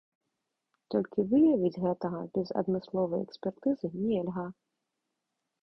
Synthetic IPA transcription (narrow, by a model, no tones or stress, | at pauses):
t̪ɔlʲkʲivɨjɐvʲid͡zʲɣɛt̪ɐɣɐbʲɛzɐ̰d̪mɨslˠɔvɐjɛ̰ksʲpʲɛrt̪ɨzɨnʲɛlʲɣa